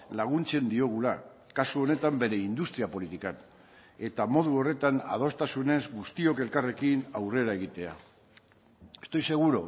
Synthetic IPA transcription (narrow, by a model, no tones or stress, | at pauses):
laɣunt͡se̞nd̪io̞ɣ̞ula | kasuo̞ne̞t̪ambe̞ɾe̞ind̪ust̪ɾiapo̞lit̪ikan | e̞t̪amo̞ð̞uo̞re̞t̪ana̰ð̞o̞st̪asune̞zɡust̪io̞ke̞lkare̞kinawre̞ɾae̞ɣ̞it̪e̞a̰ | est̪o̞jse̞ɣ̞uɾo̞